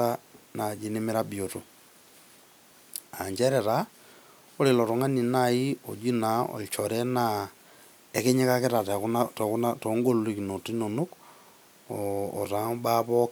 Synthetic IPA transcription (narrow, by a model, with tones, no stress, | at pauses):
a˦na˨d͡ʒe˨˦ne˦me˦ɾa˦bi˨o˨to˨ | a˨ɲd͡ʒɛ˦ɾɛ˨ɾa˨ | o˦le˨lɔ˨to˨ŋa˦ni˨nai˦ɔ̰˨d͡ʒi˦naɔ̰˨t͡ʃɔɾɛ˦na | ɛ˨ke˦ɲe˦kake˦ɾa˨takunatɔku˦natɔŋɡo˦li˨ki˨no˨ti˦no˨nu˦k | ɔ̰ː˨ta˨˦ɓa˦βɔk